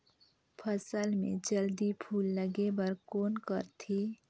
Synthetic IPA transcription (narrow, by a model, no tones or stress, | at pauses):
pʰəsəlmḛ̃d͡ʒəld̪ipʰuːlːəɡebəɾkoːnkəɾt̪ʰi